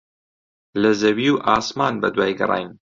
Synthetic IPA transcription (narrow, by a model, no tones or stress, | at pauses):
lɐzɐwiːwʔaːsmaːnbɐd̪waːjɡɨ̰rˤɑ̰ːjm